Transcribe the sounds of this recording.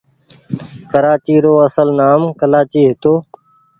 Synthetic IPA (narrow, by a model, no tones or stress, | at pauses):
kəɾaːt͡ʃiːɾoːəsəlnaːmkəlaːt͡ʃiːɦɪt̪oː